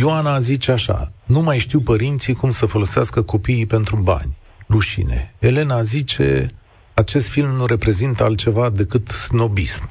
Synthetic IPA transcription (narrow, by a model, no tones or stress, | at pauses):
ioanazit͡ʃeaʃa̰numajʃt̪iwpəɾint̪sikumsəfo̞lo̞seaskəko̞piːpe̞nt̪ɾuba̰nʲ | ruʃḭnḛele̞nazit͡ʃe̞̰ | at͡ʃe̞st̪filmnuɾe̞pɾe̞zint̪əalt̪̚t͡ʃe̞vad̪e̞kɨt̪sno̞bism